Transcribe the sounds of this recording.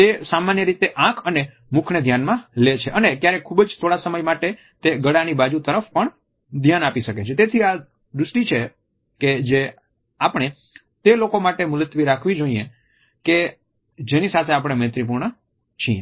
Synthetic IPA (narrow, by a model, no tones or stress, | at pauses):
t̪esamanjəɾit̪eʔãkʰəne | mukʰned̪ʱjanmãlet͡ʃʰeʔənek̪jaɾekʰubd͡ʒt̪ʰoɽasəməjmaʈe | t̪eɡəɽanibad͡ʒut̪əɾəfpəɳ | d̪ʱjanapiʃəket͡ʃʰet̪et̪ʰia | d̪ɾusʈit͡ʃʰe | ked͡ʒe | apəɳ̃e | t̪elokomaʈemʊlət̪ʋiɾakʰʋid͡ʒoie | ke | d͡ʒenisat̪ʰeap̬ɽ̃emẽt̪ɾip̬uɾɳə | t͡ʃʰĩe